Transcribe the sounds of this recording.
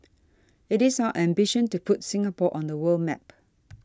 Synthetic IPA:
ɪtisawəʔɛ̃mbiʃə̃ntupʰutsɪ̃ŋapɔʔɔ̃ndəwəlmɛ̰p

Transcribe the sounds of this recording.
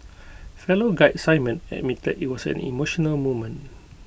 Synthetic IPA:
fɛloɡaɪtsaɪmə̃nɛ̰d̚mitədit̚wɔsɛ̰̃nḭmoʃɔnəlmomə̃n

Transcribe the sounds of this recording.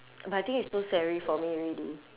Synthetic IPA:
baaɪt̪ĩŋkitstusɛɹifɔmiɹili

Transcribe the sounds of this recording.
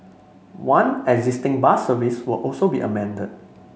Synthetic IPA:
wãnɛɡzistɪ̃ŋbasəviswɪlʔɔlsobiʔə̰mɛ̃ndəd̚

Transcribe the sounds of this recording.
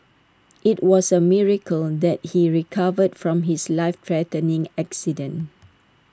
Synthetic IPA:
ʔitwɔsəmiɹəkʰəld̪ɛt̚hiɹikʰavədfɹɔ̃mɦislaɪftʰɹɛtənɪ̃ŋɛksidə̃n

